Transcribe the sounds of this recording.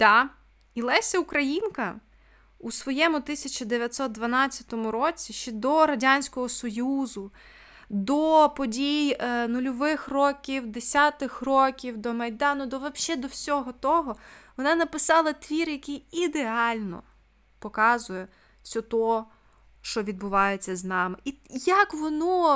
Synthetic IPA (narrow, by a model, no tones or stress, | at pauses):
t̪ɑ | ilˠɛsʲɛukɾɐjinkɐ | usʋɔjɛmʊt̪ɪsʲɐt͡ʃɐd̪eʋʲjɐt̪sɔt̪̚d̪ʋɐnɑt͡sʲːɐt̪ɔmʊɾɔt͡sʲiʃt͡ʃɛd̪ɔɾɐdʲanʲsʲkɔɦɔsɔjuzʊ | d̪ɔpɔdʲijnʊlʲɔʋɪxrɔkʲiwd̪esʲat̪ɪxrɔkʲiwd̪ɔmɐjd̪ɑnʊd̪ɔʋɐʃɛd̪ɔwsʲɔɦɔt̪ɔɦɔʋɔnɑnɐpɪsɑlˠɐt̪ʋʲirjɐkijid̪eɑlʲnɔ̰ | pɔkɑzʊjɛ | sʲɔt̪ɔ | ʃt͡ʃɔʋʲid̪̚bʊʋɑjet͡sʲːɐznɑmɪijɐkʋɔnɔ